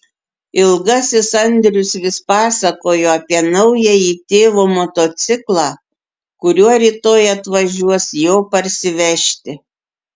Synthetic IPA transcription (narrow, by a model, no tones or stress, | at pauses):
ɪlˠɡɐsʲɪsɐnʲd̪ʲɾʲʊsʋʲɪspɑːsɐkoːjoːɐpʲiɛnɐʊjɛiːt̪ʲeːʋoːmɔt̪oːt̪sʲɪklˠɑː | kʊɾʲuɔɾʲiːt̪oːjɐt̪ʋɐʒʲuɔsjoːpɐɾʲsʲɪʋʲɛʃʲt̪ʲɪ